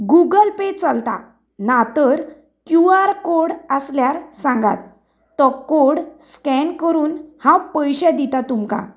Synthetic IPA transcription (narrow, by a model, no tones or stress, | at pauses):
ɡuɡəlpet͡səlt̪a̰ | nat̪əɾ | kjuaɾkoɾɽəsljaɾsãŋɡa̰t̪ː | ɔkoɽskɛnkəɾuːnhãwpəjɕɛd̪it̪at̪umka̰